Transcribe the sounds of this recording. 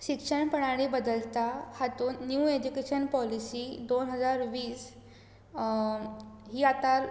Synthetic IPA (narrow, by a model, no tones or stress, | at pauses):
ɕikʂəɳpəɳ̃aɽ̃ibəd̪əlt̪ahat̪uːnːjuːed͡ʑukeɕənpɔlisiːd̪onɦəd͡zaɾʋiːs | ɦiːat̪a